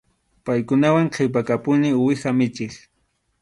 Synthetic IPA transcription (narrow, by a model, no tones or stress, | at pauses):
pajkʊnawaŋqʰewp̬akapʊnɪwɪxamɪt͡ʃɪk